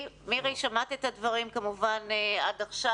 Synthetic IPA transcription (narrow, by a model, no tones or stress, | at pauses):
miʁejʃamat̪et̪advɐʁimkamuvaneadaχʃa